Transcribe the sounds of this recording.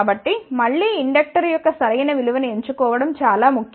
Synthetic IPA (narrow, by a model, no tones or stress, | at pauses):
bɐʈːimɐɭːiːiɳɖɐk̚ʈɐɾjɔkːɐsɐɾɐjnɐʋiɭuʋɐnue̞ɲt͡ʃukɔːʋɐɽɐmt͡ʃaːlaːmuk